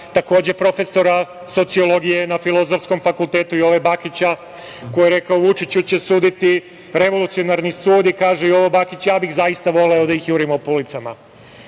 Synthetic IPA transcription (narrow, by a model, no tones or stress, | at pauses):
t̪ako̞ːd͡ʑe̞pɾo̞fe̞so̞ɾa | so̞t̪sio̞lo̞ɡije̞nafilˠo̞zo̞fsko̞mfakulˠt̪e̞ːt̪uio̞ʋebakit͡ɕa | ko̞jieɾe̞kaoʋut͡ʃit͡ɕut͡ɕe̞suːd̪it̪i | ɾe̞ʋo̞lut̪sijo̞naɾnisuːd̪ikaːʒejo̞ʋo̞bakit͡ɕjaːbixzajist̪aʋo̞leo̞d̪aixjuːɾimopulit̪sama